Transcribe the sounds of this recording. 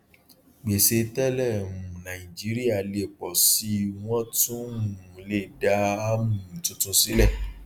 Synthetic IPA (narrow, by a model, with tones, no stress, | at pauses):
ɡ͡be˨se˧tɛ˦lɛ˦˨mũ˨nã˨ĩ˨d͡ʒi˨˦ɾi˦a˦˨le˦˨k͡pɔ˨si˨˦w̃ɔ̃˦tũ˦˨ũ˨˦le˦˨da˦a˦mũ˨tũ˦tũ˦si˦lɛ˦˨